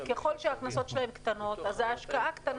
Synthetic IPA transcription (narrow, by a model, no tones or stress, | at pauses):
keχo̞lʃeaknaso̞tʃelaɦemkt̪ano̞t̪azeaʃkaʔakt̪an